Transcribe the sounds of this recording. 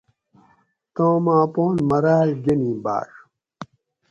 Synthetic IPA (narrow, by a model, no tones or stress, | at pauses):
t̪õːmãːpoːnmɐɾaːlɡenĩːba̰ːʂ